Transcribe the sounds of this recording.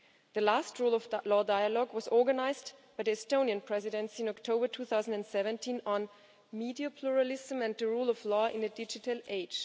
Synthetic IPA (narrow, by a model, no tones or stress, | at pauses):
ðɨlastʰɹulɔvlɔdaɪəlɔɡwʌzɔɹɡənaɪzdb̥aɪðiɛstõʊ̃niɨ̃npʰɹ̥ɛzɨɾɨ̃nsiɪ̃nɔktʰoʊbə˞tʰuθaʊzə̃ndɛ̃ndsɛvɛ̃ntʰĩnə̃n | midiəpʰluɹəlɪzə̃mɨ̃nðɨɹulˠɔvlɔːʔɪ̃nɨdɪd͡ʒɨtʰəl̩ˠʔeɪ̥d͡ʒ̥